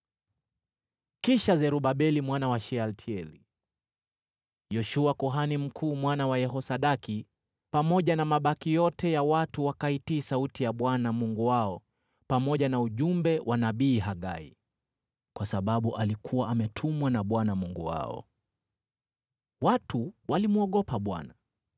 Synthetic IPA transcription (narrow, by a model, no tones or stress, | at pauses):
kiʃazɛɾuɓaɓɛlimwanawaʃɛaltʰiɛli | jɔʃuakuɦanim̩kʰuːmwanawajɛɦɔsaɗaki | pamɔʄanamaɓakijɔtʰɛjawatuwakaitiːsautijaɓwanamuŋɡuwaɔ | pamɔʄanauʄumbɛwʔanaɓiːɦaɠa̰ḭ | kwasaɓaɓuʔalikʰuwaʔamɛtʰumwanaɓwanamuŋɡṵwa̰ɔ̰ | watuwalimuɔɠɔpaɓwa̰na